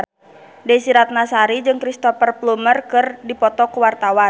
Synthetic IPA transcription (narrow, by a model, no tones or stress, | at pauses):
dɛsiɾat̪̚nasaɾid͡ʒɨŋkɾist̪ɔfərplumərkɨrdipɔt̪ɔkuwart̪awa